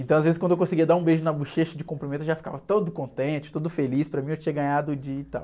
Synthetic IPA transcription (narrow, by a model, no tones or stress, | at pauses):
ẽt̪ɐ̃w̃ɐzvezɪswɐ̃d̪ewkõsiɡiɐd̪aɾũbejʒʊnɐbuʃeʃɐd͡ʒɪkõpɾimẽt̪ʊeʊʒafi̥ka̰vɐt̪od̪ʊkõnt̪ẽnt͡ʃɪ̥t̪od̪ʊfelispɾɐmĩewt͡ʃĩɲɐɡɐ̃ɲad̪ʊd͡ʒɪt̪a̰w